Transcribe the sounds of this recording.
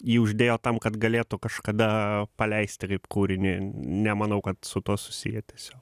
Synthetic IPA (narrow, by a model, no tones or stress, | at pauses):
jiːʊʒʲd̪ʲeːjoːt̪ɐmkɐt̪ɡɐlʲeːt̪ʊkɐʃkɐd̪ɐpɐlʲɛɪsʲt̪ʲɪkɐɪpkuːɾʲɪnʲɪnʲɛmɐnɐʊkɐt̪sʊt̪uɔsʊ̥sʲɪjɛt̪ʲiɛsʲoːk